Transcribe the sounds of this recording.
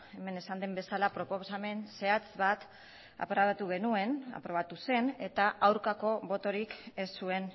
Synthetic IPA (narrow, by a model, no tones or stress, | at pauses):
e̞me̞ne̞sand̪embe̞salapɾo̞po̞same̞nse̞at͡sβat̪ | a̰pɾoaβat̪uɣ̞e̞nue̞na̰pɾo̞β̞at̪use̞ne̞t̪aʔawɾkako̞βo̞t̪o̞ɾike̞sːue̞n